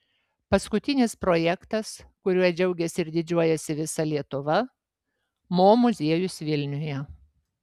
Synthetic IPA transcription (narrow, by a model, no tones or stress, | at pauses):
pɐskʊt̪ʲɪnʲɪspɾoːjɛkt̪ɐskʊɾʲuɔsd͡ʒʲɛʊɡʲɛsʲɪɪɾʲd̪ʲɪd͡ʒʲuɔjɛsʲɪʋʲɪsɐlʲiɛt̪ʊʋɐ | moːmʊzʲiɛjʊsʋʲɪlʲnʲʊjɛ